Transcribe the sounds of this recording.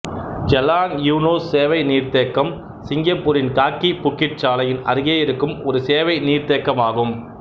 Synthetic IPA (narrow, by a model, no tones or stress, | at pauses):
d͡ʒɛlːaːnjuːnoːsːeːʋɐɪniːɾt̪eːkːɐm | sɪŋɡɐpːuːɾɪnkaːkːipʊkːɪʈ̚t͡ʃaːlɐjɪnɐ̰ɾɯɣeːjɪɾɯkːɯmɔɾɯseːʋɐɪniːɾt̪eːkːɐmaːɣɯm